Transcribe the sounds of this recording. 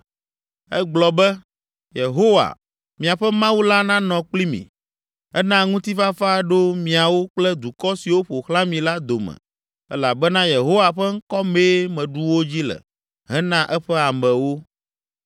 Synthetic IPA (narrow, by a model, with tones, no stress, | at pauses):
ɛ˦ɡ͡blɔ˨bɛ˦ | je˨ɦo˦wa̰˨ | mĩ˨a˨ɸɛ˦mã˦wu˦la˦nã˦nɔ̃˨k͡pli˦mḭ̃˨ | ɛ˦nã˦ŋũ˦t̪i˦fa˦fa˦ɖo˦mĩ˨a˨wo˦k͡plɛ˦d̪u˨kɔ˦si˨wo˦ɸo˨xlã˦mĩ˨la˦d̪o˨mɛ̰˨ | ɛ̰˦la˨bɛ˦nã˦je˨ɦo˦wa˨ɸɛ˦ŋ̩˦kɔ˦meː˦mɛ̃˨ɖu˦wo˦d͡ʑi˦lɛ̰˨ | ɦɛ̃˦nã˦ʔɛ˦ɸɛ˦a˨mɛ̃˨wo˦